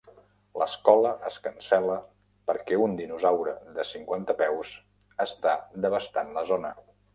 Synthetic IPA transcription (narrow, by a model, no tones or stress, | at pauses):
ləskɔləʔəskənsɛlə | pəɾkɛund̪inuzawɾəðəsiŋkwant̪əpɛws | əst̪ad̪əβəst̪anləzonə